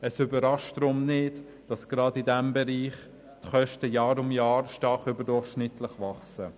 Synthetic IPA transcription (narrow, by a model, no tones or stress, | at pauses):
əsʏbəɾɑʃtd̥ɾʊmnɪd | d̥ɑsɡ̥ɾɑdidɛmbɛɾiːχ | tχœʃtəjɑːɾʊmjɑːɾʃtɑχʏbədʊɹχʃnɪtləχʋɑχsə